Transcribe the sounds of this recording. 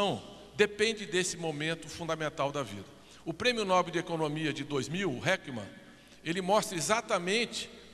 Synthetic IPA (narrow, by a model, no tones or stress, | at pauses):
ɐ̃w̃ | d̪epẽnd͡ʒɪd̪esɪmomẽnt̪ʊfũd̪ɐmẽnt̪awd̪ɐvḭd̪ɐ | ʊpɾẽmjʊnɔbewd͡ʒekonõmiɐd͡ʒɪd̪ojzmiwɦɛkimɐ̰̃ | elɪmɔst̪ɾɐezat̪ɐmẽt͡ʃɪ̥